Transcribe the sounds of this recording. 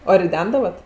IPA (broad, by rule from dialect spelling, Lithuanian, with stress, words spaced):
oː rʲɪˈdʲɛndɐʋɐt